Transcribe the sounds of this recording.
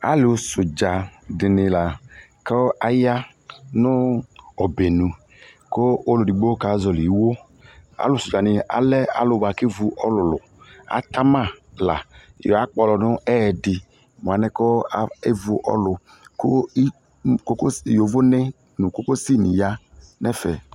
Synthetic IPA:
a̰˦lɪ˨o˨sʊ˨d͡ʒa˨dɪ˨nɪ˨la˨ | kɔ˦a˦ja˦ | nʊ˦ɔ˨be˨nu˨ | ko˦o˦lʊ˨di˨ɡ͡bo˦ka˨˦zɔ˨li˨˦wo˦ | a̰˦lʊ˨sʊ˨d͡ʒa˨nɪ˧a̰˨lɛ˦a̰˨lʊ˨ba˨ke˦vu˨ʔɔ˦lʊ˨lʊ˨ | a̰˦ta˦ma˦˨la̰˨jɔ̰˨a˨˦k͡pɔ˨lɔ˨nʊ˦ɛ˦˨dɪ˨ | m˨a˨nɛ˦kɔ˦e˦vu˦ʔɔ̰˦lʊ˨ | ko˦ | ko˦kjo˨vo˦nɛ˦ | nu˨ko˦ko˦si˦˨ni˨ja˦ | nɛ˦fɛ˨

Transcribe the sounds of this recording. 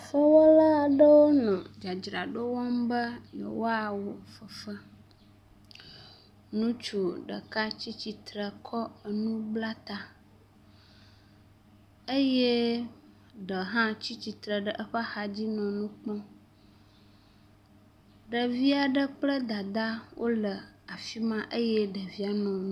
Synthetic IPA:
fə˦wɔ˦la˦˨ɖə˦wo˦nɔ̃˨d͡ʒa˨d͡ʒɾa˨ɖo˦wɔ˦mbə˦jo̰˨wo˦a˨wo˨fə˨fə˦ | nũ˦t͡ʃu˨ɖə̰˨ka˦t͡ɕi˦t͡ɕi˨t̪ɾə˨kʰɔ˦ə˨nũ˦bla˦t̪a˨ | ə˦je˦ | ɖə˨ɦã˦t͡ɕi˦t͡ɕi˨t̪ɾə˨ɖə˦˨ʔə˦ɸə˦xa˨d͡ʑi˦nɔ̃˨nũ˦k͡pɔ̃˦ | ɖə˨vi˦a˨ɖə˦k͡plə˦d̪a˨d̪a˦wʔo˦lə˨a˨fi˦mã˦ʔə˦jɛ˦ɖə˨vi˦a˨nɔ̃˨ñ˦

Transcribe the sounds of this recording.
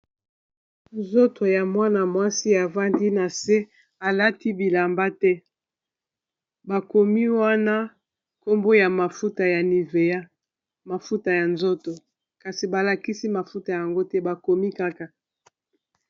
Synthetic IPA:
nzo˦tʰo˨ja˨mwa˦na˨mwa˦si˦a˨va˦ndi˦na˨se˦ | a˨la˦ti˦bi˨la˨mba˦tɛ˦ | ba˨ko˨mi˦wa˦na˦ | ko˦mbo˦ja˨ma˨fu˦ta˨ja˨ni˨ve˨ja˦ | ma˨fu˦ta˨ja˨nzo˦to˨ | ka˨si˨ba˨la˨ki˦si˦ma˨fu˦ta˨ja˨ŋɡo˦tɛ˦ba˨ko˨mi˦ka˦ka˨

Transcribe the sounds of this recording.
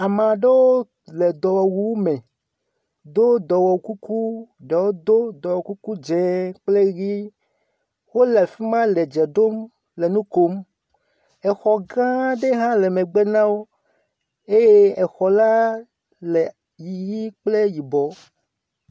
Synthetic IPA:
a˨mã˨ɖe˦wo˦ | le˨d̪ɔ˨wɔ˨wu˦wmẽ˨ | d̪o˦d̪ɔ˨wɔ˨ku˦ku˦ɖe˨wo˦d̪o˦d̪ɔ˨wɔ˨ku˦ku˦d͡ʒɛ˨k͡ple˦ɣi˦ | wo˦le˨fi˦mã˦le˨d͡ʒɛ˨ɖo˦m | le˨nũ˦ko˦m | ɛ˨xɔ˨ɡã˦ɖe˦ɦã˦le˨mẽ˨ɡ͡be˦nã˦wo˦ | e˦je˦ɛ˨xɔ˨la˦ | le˨ | ji˨ɣi˦k͡ple˦ji˨bɔ˨

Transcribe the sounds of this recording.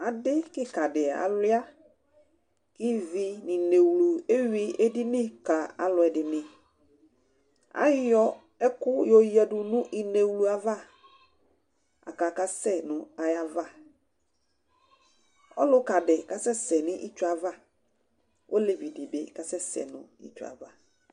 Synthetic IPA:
a˨dɪ˦kɪ˦ka˨dɪ˨a̰˨lɪ˦a˦ | kɪ˦vi˨nɪ̃˨ne˨wlu˨e˦ɥi˦e˦di˦nɪ̃˦ka˨a̰˨lʊ˨ɛ˨dɪ˨nɪ̃˨ | a̰˦jɔ˦ | ɛ˦kʊ˦jɔ˨jɛ˨dʊ˨nʊ̃˦ʔi˨ne˨wlu˨a˨va˦˨ | a̰˨ka˨ka˨sɛ˦nʊ̃˨a˨ja˨va˦ | ɔ̰˦lʊ˦ka˨dɛ˨ka˦sɛ˦sɛ˨nɪ̃˦ʔɪ˦t͡ʃʊ˦a˨va˦ | ʔo˦le˨vi˨di˨bḛ˨ka˨sɛ˦sɛ̰˨nʊ̰̃˨ḭ˦t͡ʃʊ˨a̰˨va˦

